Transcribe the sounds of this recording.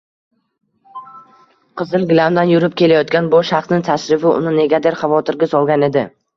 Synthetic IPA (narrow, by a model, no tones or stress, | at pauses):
qʰɨzɪlˠɡʲlamd̪anjʊɾɪp̚kʲe̞lajɒt̪̚kʲanboʃaχsnɪŋt̪ʰaʃɾɪfɪʊ̰nɪne̞ɡʲad̪e̞ɾχɑvɒt̪ʰɪɾɡʲasɒlˠɡʲane̞d̪ɪ